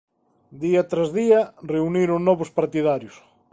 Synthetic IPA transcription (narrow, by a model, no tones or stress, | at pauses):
d̪iat̪ɾazðiɐreuniɾonːɔβʊspaɾt̪iðaɾjʊs